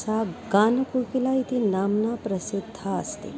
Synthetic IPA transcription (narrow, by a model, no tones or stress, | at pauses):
saːɡaːnɐkukilaːit̪inaːmnaːpɾɐsud̪ʱːaɐ̰st̪ḭ